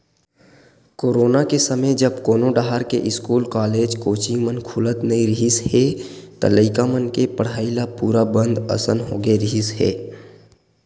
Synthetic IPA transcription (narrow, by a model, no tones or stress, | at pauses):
koːɾoːnakesəməd͡ʒəbkoːnoɖaɦaɾkeʔɪskuːlkaːleːd͡ʒkoːt͡ʃimənkʰʊlət̪nɐĩɾɪɦisɦɛt̪ɐ̰ləɪkamənkepəɽ̤aːilapuːɾabə̃nd̪ə̰sənɦoːɡeɾiɦisɦɛ̰ː